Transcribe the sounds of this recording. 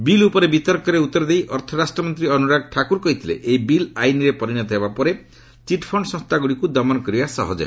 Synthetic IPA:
bilupɔɾebit̪ɔɾkɔɾeut̪ːɔɾɔd̪ejʔɔɾt̪ʰɔɾasʈɾɔmɔnt̪ɾiɔnuɾaɡ̚ʈʰakuɾkɔɦit̪ʰilḛʔejbilajniɾepɔɾinɔt̪ɦebapɔɾe | t͡ʃiʈpʰɔɳɖsɔ̃st̪aɡuɽikud̪ɔmɔnɔkɔɾibasɔ̰ɦɔd͡ʒḛ

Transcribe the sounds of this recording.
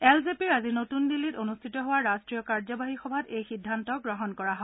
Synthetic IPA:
ɛlzepiɹazinotundilːitonustʰitɔɦowaɹastɹijɔkaɹzɔbaɦixɔbʱatejxidʱːantɔɡɹɔɦɔnkɔɹaɦɔɛ

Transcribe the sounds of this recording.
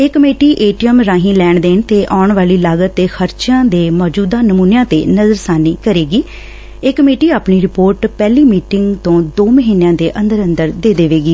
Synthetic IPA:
ɪkːəmeːʈiːʔeːʈiəmɾãːɦĩːlɛːɳd̪eːɳt̪eːʔaːʊɳʋaːliːlaːɡət̪ːeːxʰəɾt͡ʃãːd̪eːmɔːd͡ʒuːd̪aːnəmuːnejãːt̪ḛːnəzəɾsaːniːkəɾeːɡiː | ekːəmeːʈiːaːpniːɾɪpoːɾʈpɛːliːmiːʈɪŋɡt̪õːd̪oːməɦiːnjãːd̪eːʔə̃nd̪əɾənd̪əɾd̪eːd̪eːʋeːɡiː

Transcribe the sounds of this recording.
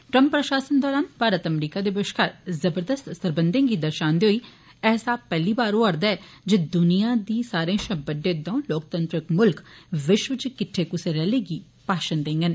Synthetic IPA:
ʈɾə̃mpːɾəʃaːsənd̪ɔːɾaːnpʰaːɾət̪əmɾiːkaːd̪eːbeʃkaɾzəbəɾd̪əst̪səɾbənd̪ẽːɡiːd̪əɾʃaːnd̪eɦoːiː | ɛːsaːpɛːliːbaːɾoːəɾd̪aːɛː | d͡ʒed̪ʊnijaːd̪iːsaːɾẽːʃəbəɖẽːd̪õːloːk̚t̪ənt̪ɾəkmʊlkʋɪʃʋət͡ʃkɪʈʰːeːkʊseɾɛːleːɡiː | paːʃənd̪ẽːŋɡən

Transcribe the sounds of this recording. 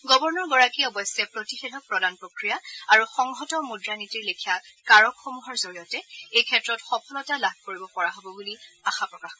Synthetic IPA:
ɡɔbɔɹnɔɹɡɔɹakiɔbɔsɛpɹotixedʱɔk̚pɹɔdanpɹokɹijaaɹuxɔŋɦɔtɔmudɹanitiɹlikʰijakaɹɔkxomuɦɔɹzoɹijɔtɛejkʰɛtɹɔtxɔpʰɔlɔtalab̚ʱkoɹibɔpɔɹaɦobɔbuliaxapɹɔkax

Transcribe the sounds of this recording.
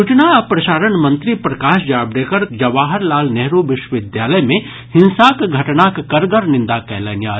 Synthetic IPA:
ut͡ʃnaɐpɾɐʃaːɾənmɐ̃nt̪ɾipɾɐkaːʃd͡ʒaːbɖeːkəɾd͡ʒɐʋaːɦəɾlaːlnɛɦɾoʋɪʃwəʋɪd̪jaːləjmẽ | hɪ̃nsakɡʱɐʈnakkɐɾɡəɾnɪ̃nd̪akɛːləːnjaː

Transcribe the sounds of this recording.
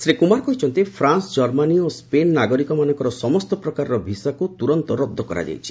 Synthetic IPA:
sɾikumaɾkɔɦit͡ʃʰɔnt̪ipʰɾansd͡ʒɔɾmaniospenːaɡɔɾikɔmanɔ̃ŋkɔɾɔsɔmɔst̪ɔpɾɔkaɾɾɔbʱisakut̪uɾɔnt̪ɔɾɔd̪ʱːɔkɔɾa̰d͡ʒa̰jt͡ʃʰi̥

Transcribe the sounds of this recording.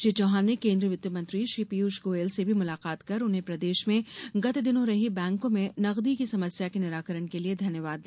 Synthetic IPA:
ʃit͡ʃɔɦãːnːekẽːnd̪ɾiəʋʊt̪jəmɐ̃nt̪ɾiʃɾiːpiuːʃɡoːeːlsebʱimʊlaːqaːt̪kɐɾʊnɦẽpɾɐd̪eːʃmẽɡɐt̪ed̪ɪnõɾɐɦibɛ̃ːŋkõmẽnɐɣd̪ikisɐməsjakinɪɾaːkəɾəɽ̃kelied̪ʱɐnjəʋaːd̪ːi

